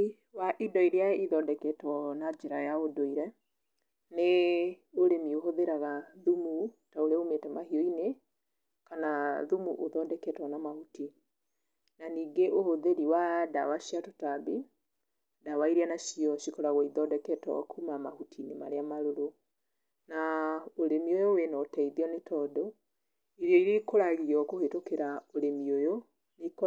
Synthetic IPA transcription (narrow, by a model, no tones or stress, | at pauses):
waʔidɔiɾeaiðɔdɛkɛtwɔnad͡ʒeɾajaodoiɾɛ | neoɾemioɦoðeɾaɣaðumutaoɾeomeːtɛmahiɔine | kanaðumuʔoðɔdɛkɛtwɔnamahuti | naniːɡeʔohoðeɾiwada̰waʃiatotabi | dawaiɾianaʃiɔʃikɔɾaɣɔiðɔːdɛkɛtɔ̰kʰumamahutʰinema̰ɾeamaɾoɾo | naoɾemiojowenɔtɛiðiɔnetʰɔːdɔ | iɾiɔiɾekoɾaɣiɾiɔkohetokeɾaoɾemiojo | nek